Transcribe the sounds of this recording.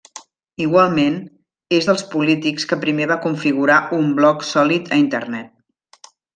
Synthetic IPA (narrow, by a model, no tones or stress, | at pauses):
iɣwalˠmen | ezðəlˠspulit̪ikskəpɾimeβakuɱfiɣuɾaumblɔksɔlit̪ʰəint̪ə̰rnɛt̪̚